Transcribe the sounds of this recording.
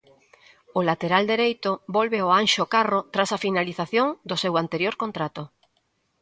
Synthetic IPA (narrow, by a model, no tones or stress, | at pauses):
ʊlat̪eɾald̪eɾejt̪ʊbolβeoanʃokarot̪ɾasafinaliθaθjoŋd̪ʊsewant̪eɾjoɾkont̪ɾat̪o